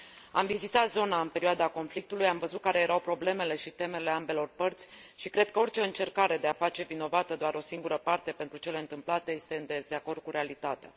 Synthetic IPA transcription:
a̰mvizit̪at̪zo̞naɨnpe̞ɾioad̪ako̞nflik̚t̪ulujamvəzut̪̚kaɾe̞jeɾawpɾo̞ble̞me̞le̞ʃit̪e̞me̞le̞ambe̞lo̞rpərt̪sʲʃikɾe̞d̪̚kəo̞rʲt͡ʃe̞ɨnt͡ʃe̞rkaɾe̞d̪e̞afat͡ʃe̞vino̞vat̪əd̪oaɾo̞siŋɡuɾəpart̪e̞pent̪ɾut͡ʃe̞le̞ɨnt̪ɨmplat̪e̞je̞st̪e̞ɨnd̪ezeako̞rd̪̚kuɾe̞alit̪at̪ea̰

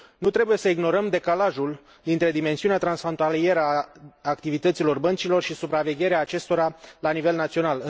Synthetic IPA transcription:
nut̪ɾe̞buje̞səiɡno̞ɾəmd̪e̞kalaʒul | d̪int̪ɾe̞d̪ime̞nsiuneat̪ɾansfɾo̞nt̪alije̞ɾəaːkt̪ivit̪ət̪silo̞rbənt͡ʃilo̞rʃisupɾave̞ɡʲe̞ɾeaːt͡ʃe̞st̪o̞ɾalanive̞lnat̪sio̞nal

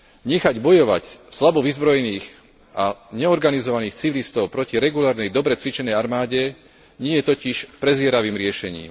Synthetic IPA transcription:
ɲɛxaɟbɔjɔʋa̰cslabɔʋizbɾɔjɛniːx | aɲɛɔɾɡanizɔʋaniːxt͡siʋilist̪ɔʊpɾɔciɾɛɡulaːɾnɛjd̪ɔbɾɛt͡sʋit͡ʃɛnɛjaɾmaːɟɛ | ɲɪɛjɛt̪ɔciʃpɾɛzɪɛɾaʋiːmɾɪɛʃɛɲḭːm

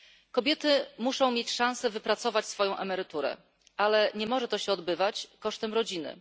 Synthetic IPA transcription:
kɔbʲjɛt̪ɘmuʂɔ̃w̃mʲjet͡ɕʂãñsɛvɘpɾat̪sɔvat͡ɕsfɔjɔ̃w̃ʔɛmɛɾɘt̪uɾɛ̰ | ʔalɛɲɛmɔʐɛt̪ɔɕɛɔd̪bɘvat͡ɕkɔʂt̪ɛmɾɔd͡ʑinɘ̰

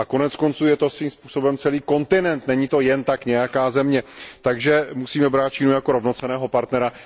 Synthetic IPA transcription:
ʔako̞nɛtt͡sko̞nt͡suːjɛt̪o̞sviːmspuːso̞bɛmt͡sɛliːko̞nt̪ɪnɛnt̪nɛɲit̪o̞jɛnt̪akɲɛjakaːzɛmɲɛt̪aɡʒɛmusiːmɛbɾaːt̪̚t͡ʃiːnujakoɾo̞vno̞t͡sɛnɛːɦo̞paɾt̪nɛɾa

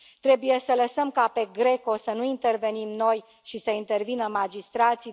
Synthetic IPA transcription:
t̪ɾe̞buje̞sələsəmkape̞ɡɾe̞ko̞sənuint̪erve̞nimno̞j | ʃisəint̪e̞rvinəmad͡ʒist̪ɾat̪si

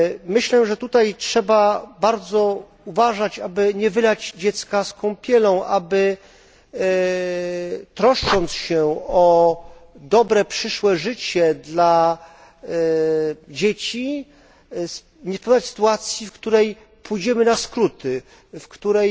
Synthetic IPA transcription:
mɘɕlɛʐɛt̪ut̪ajtʂɛbabaɾd̪zɔ | uvaʐat͡ɕabɘɲɛvɘlad͡ʑd͡ʑɛt̪skaskɔ̃w̃pʲjɛlɔ̃w̃ʔabɘ | t̪ɾɔʂt͡ʂɔnt̪sɕɛɔ | d̪ɔbɾɛpʂɘʂwɛʐɘt͡ɕɛd̪la | d͡ʑet͡ɕi | s | ɲɛspɔd̪at͡ɕʲsɘ̥t̪uat̪sʲjifkt̪uɾɛj | pʰujd͡ʑɛmɘnaskɾut̪ɘ | fkt̪uɾɛj

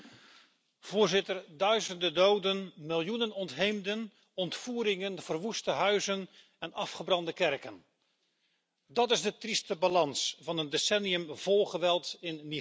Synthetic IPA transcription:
v̥ʊːɹzɪtərdœɥzəndədowdənmɪlˠjunənɔntɦejmdən | ɔntfuːɾɪŋənv̥ərʋustəɦœɥzən | ɛnɑfχəbrɑndəkɛrkən | dɑtɪzdətristəbalɑnsvɑnəndesɛniəmv̥olˠχəʋɛlˠtɪnmi

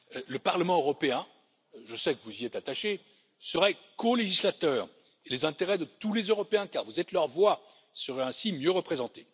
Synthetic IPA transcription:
ləpaʁləmɑ̃øʁɔpeɛ̃ | ʒəsɛkəvuziɛt̪at̪aʃe | səʁɛkɔleʒislat̪œːʁ | elezɛ̃t̪eʁɛd̪ət̪ulezøʁɔpeɛ̃kaʁvuzɛt̪lœʁvwa | səʁɛɛ̃simjøʁəpχezɑ̃t̪e

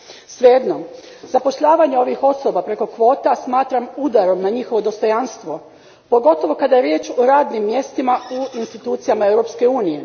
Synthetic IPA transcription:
sʋjed̪no | zapo̞ʃʎaːʋaɲeo̞ʋixo̞so̞bapɾe̞ko̞kʋo̞ːt̪asmaːt̪ɾamud̪aɾo̞mnaɲixo̞ʋo̞d̪o̞st̪o̞janst̪ʋo̞ | po̞ɡo̞t̪o̞ʋo̞kad̪ajeɾjeːt͡ʃoɾaːd̪nimːje̞st̪imauinst̪it̪uːt̪sijamae̞wɾo̞pske̞uːnije̞

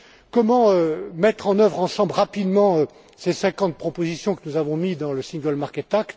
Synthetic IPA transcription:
kɔmɑ̃ømɛt̪χɑ̃nœvʁɑ̃sɑ̃blʁapid̪mɑ̃ø | sesɛ̃kɑ̃t̪̚pχɔpozisjɔ̃kənuzavɔ̃mid̪ɑ̃ləsĩŋɡəlmaʁkʲɛt̪akt̪

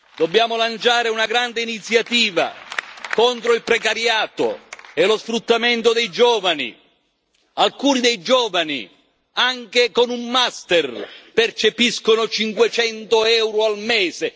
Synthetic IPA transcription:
d̪objaːmʊlant͡ʃaːɾeunaɡɾand̪eiːnit̪sːjat̪iːva̰kont̪ɾoilpɾɛkaɾjaːt̪o̰ɛlosfɾut̪ːament̪od̪ɛjd͡ʒɔːvanḭ | alkuːnid̪ɛjd͡ʒɔːvanḭ | aŋkekonumːast̪erpert͡ʃepiskonot͡ʃiŋkwet͡ʃɛnt̪ʊɛwɾʊalmɛːse

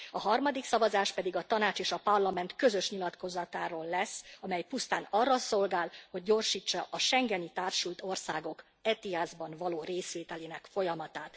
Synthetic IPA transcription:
ɒɦɒrmɒd̪iksɒvɒzaːʃpɛd̪iɡɒt̪ɒnaːt͡ʃeːʃɒpɒrlɒmɛnt̪kø̞zø̞ʃɲilɒt̪ko̞zɒt̪aːɾoːlːɛsɒmɛjpust̪aːnɒrːɒso̞lɡaːlho̞ɟ̚ːo̞rʃiːt͡ʃːɒʔɒʃɛŋɡɛnit̪aːrʃult̪o̞rsaːɡo̞k | ɛt̪iazbɒnvɒloːreːsʋeːt̪ɛleːnɛkfo̞jɒmɒt̪aːt̪

